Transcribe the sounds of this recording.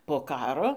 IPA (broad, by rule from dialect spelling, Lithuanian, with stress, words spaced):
poː ˈkɑːroː